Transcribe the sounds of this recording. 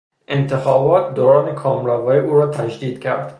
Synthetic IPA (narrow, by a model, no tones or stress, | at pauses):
ʔent̪ʰexɒːbɒːt̪̚d̪oːɾɒːnekʰɒːmɾɒvɒːiʔuːɾɒːt̪ʰæd͡ʒd̪iːd̪̥cʰæ̰ɾd̪̥